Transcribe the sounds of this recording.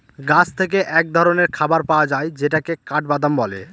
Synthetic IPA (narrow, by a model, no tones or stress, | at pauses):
ɡãt͡ɕʰt̪ʰek̬eʔɛk̚d̪ʱɔɾoneɾkʰabaɾpaoad͡ʑaejd͡ʑeʈakekaʈbad̪ʱambɔlḛ